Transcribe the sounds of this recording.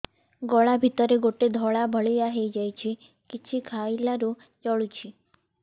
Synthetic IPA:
ɡɔɭabʱit̪əɾeɡoʈed̪ʱɔɭabʱəɭijaɦejd͡ʒajt͡ʃʰe | kit͡ʃʰikʰailaɾu | t͡ʃɔɭut͡ʃʰi

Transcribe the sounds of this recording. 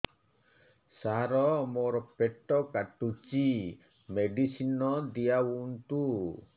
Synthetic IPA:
saɾɔmɔɾɔpeʈːɔkaʈut͡ʃi | meɖisinɔd̪ijaunt̪u

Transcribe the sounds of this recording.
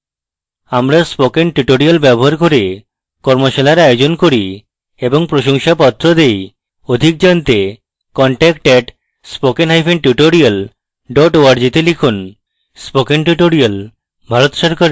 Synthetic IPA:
amɾaspokenʈuʈoɾialbɛboɦaɾkoɾe | kɔɾmoʃalaɾaeod͡ʑonkoɾi | eboŋpɾoʃoŋʃapɔt̪ːɾod̪ej | od̪ʱik̚d͡ʑɔnt̪e | kɔɳʈɛkʈɛʈ | spokenɦajpʰenʈuʈoɾial | ɖɔʈoaɾd͡ʑit̪elikʰun | spokenʈ̬uʈoɾial | bʱaɾot̪ʃaɾkaɾ

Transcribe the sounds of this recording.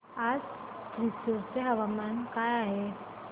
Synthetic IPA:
ad͡ʒ | tɾisoɾseɦɐʋamaːnkajaɦe

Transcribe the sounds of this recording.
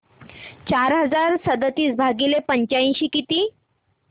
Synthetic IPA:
t͡ɕaɾɦəd͡zaɾsəd̪ət̪iːsbʱaɡilepəɲt͡ɕaĩɕiːkit̪iː

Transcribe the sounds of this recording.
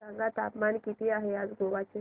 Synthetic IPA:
aŋɡat̪apmankit̪iːaɦead͡zɡʱoʋat͡se

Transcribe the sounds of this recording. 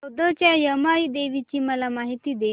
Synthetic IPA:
od̪ət͡ɕjajəmaid̪eʋit͡ɕiːməlamaɦit̪iːd̪e

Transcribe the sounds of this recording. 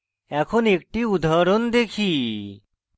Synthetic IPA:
ɛkʰonek̚ʈiud̪ʱaɾond̪ekʰiː

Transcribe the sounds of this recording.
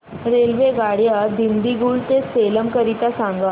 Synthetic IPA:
ɾelʋeɡaɽjad̪ind̪iɡuːlt̪eseləmkəɾit̪asãŋɡa

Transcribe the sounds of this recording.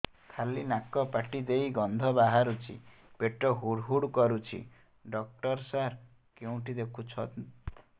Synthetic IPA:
kʰalinakːɔpaʈid̪ejɡɔnd̪ʱɔbaɦaɾut͡ʃʰḭ | peʈɔɦuɽɦuɽkɔɾut͡ʃʰḭ | ɖɔk̚ʈɔɾsaɾ | keũʈid̪ekʰut͡ʃʰɔ

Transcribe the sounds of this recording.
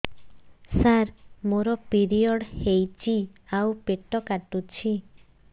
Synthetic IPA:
saɾmoɾɔpiɾiɔɽhejt͡ʃʰi | awpeʈɔkaʈut͡ʃʰi

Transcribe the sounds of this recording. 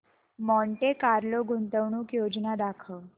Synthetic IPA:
mɔɳʈekaɾloɡunt̪əʋɳuːkjod͡ʑnad̪akʰə

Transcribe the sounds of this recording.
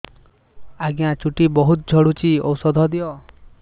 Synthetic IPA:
aɡjãt͡ʃuʈibɔɦut̪̚d͡ʒʱɔɽut͡ʃiɔ̰wsɔd̪ʱɔd̪ijɔ

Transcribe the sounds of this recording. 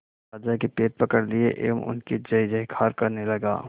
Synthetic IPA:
aːd͡ʒakipeːʈ̚pɐkəɽliḛʔḛːmʊ̰nkid͡ʒɐd͡ʒɐikʰaːɾkɐɾnelɐɡa̰ː

